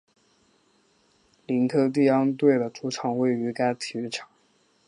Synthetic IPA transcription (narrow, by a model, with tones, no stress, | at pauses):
li˧˥nkʰɤ˥t̪̬i˥˩ɑ˥ŋt̪we˥˩ɪd̪ə˩ʈ͡ʂu˧˥ʈ͡ʂʰɑ˨˩˦ŋwe˥˩ɪy˧˥ka˥ɪt̪ʰi˨˧˩y˥˩ʈ͡ʂʰɑ̥˨˩˥ŋ